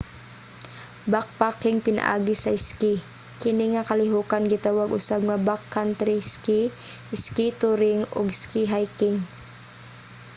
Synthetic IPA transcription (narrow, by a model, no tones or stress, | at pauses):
bak̚pakɪŋpɪna̰ʔa̰ːɡisaɪski | kɪniŋakalɪɦukanɡɪt̪awaɡʔʊsab̚ŋabakːant̪ɾiskiʔɪskit̪uɾɪŋʊ̰ɡskiɦajkɪŋ